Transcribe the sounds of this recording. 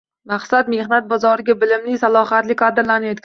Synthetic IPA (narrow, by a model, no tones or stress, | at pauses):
maqsat̪me̞hnat̪̚bɒzɒɾɪɡʲabɪlɪmnɪsalˠɒɦat̪lɪkʰad̪ɪɾlaned̪ɪkʲʰ